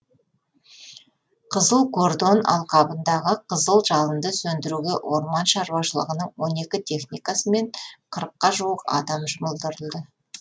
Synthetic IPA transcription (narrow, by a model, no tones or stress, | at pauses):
qʰəzəlˠkʰo̞rd̪o̞nɑ̰lˠqʰɑbənd̪ɑʁəqʰəzəlˠʒɑlˠənd̪əsɵnd̪ɪɾuɡʲe̞ʔwʔo̞ɾmɑnʃɑɾuwɑʃəlˠə̰ʁənəɴwo̞ne̞kʲɪt̪ʰe̞χnijkasəme̞ɴqʰəɾəqːɑʒuwəqɑ̰d̪ɑmʒʊməlˠd̪əɾəlˠd̪ə